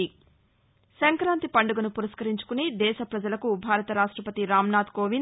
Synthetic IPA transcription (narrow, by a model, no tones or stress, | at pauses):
i | sɐŋkɾaːnt̪ipɐɳɖuɡɐnupuɾɐskɐɾiɲt͡ʃu̥kunid̪ɛːʃɐpɾɐd͡ʒɐlɐkubʱaːɾɐt̪ɐɾaːʂʈɾɐpɐt̪iɾaːmnaːt̪koːʋin